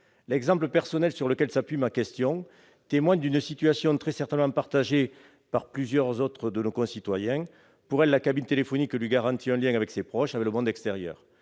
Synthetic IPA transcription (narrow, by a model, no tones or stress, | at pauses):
lɛɡzɑ̃pləpɛʁsɔnɛlsyʁləkɛlsapɥimakɛst̪jɔ̃ | t̪emwaɲd̪ynəsit̪yasjɔ̃t̪χɛsɛʁt̪ɛnmɑ̃paʁt̪aʒe | paʁplyzjœʁzɔt̪χəd̪ənokɔ̃sit̪wajɛ̃ | puʁɛlːakabint̪elefɔniklɥiɡaʁɑ̃t̪iɛ̃ljɛ̃ŋavɛksepχɔʃavɛkləmɔ̃nd̪ɛkst̪eʁjœ̰ːʁ